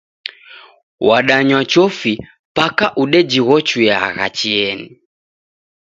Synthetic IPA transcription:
waɗaɲwat͡ʃɔfi | pakaʔuɗɛd͡ʒiɣɔt͡ʃwaɣa̰t͡ʃiɛni

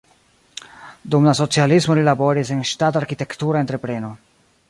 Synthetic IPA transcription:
dumlaso̞t͡sialismo̞lilabo̞ɾise̞nʃtataɾkite̞ktuɾae̞ntɾepɾe̞no̞

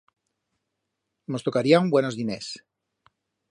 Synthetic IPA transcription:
nost̪okaɾiaumbweno̞zðinḛs

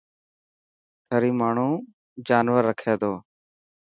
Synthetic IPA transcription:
t̪ʰəɾiːmaːɳ̤uː | d͡ʒaːnʋəɾːəkʰeːd̪oː

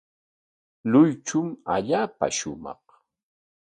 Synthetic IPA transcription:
lʊjt͡ʃʊma̰ʎaːpa̰ʃʊmɑ̰χ

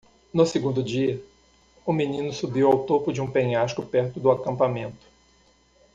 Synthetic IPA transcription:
nosɪɡũnd̪ʊd͡ʒiɐ | ʊminĩnʊsubiwawt̪opʊd͡ʒɪũpẽɲaʃkʊpɛɾt̪ʊd̪ʊakɐ̃mpamẽnt̪ʊ̥

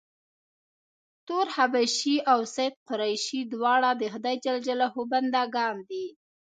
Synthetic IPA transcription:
t̪oɾhabaʃiawsajd̪̚qʊɾajʃid̪wɑɽad̪əxd̪ɑjt͡ʃald͡ʒalahoband̪ɑɡɑnd̪i

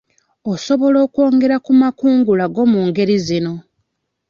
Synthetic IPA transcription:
oso̞βo̞lo̞ːkwo̞ːŋɡe̞ɾakumakuːŋɡulaɡo̞muːŋɡe̞ɾizino̞

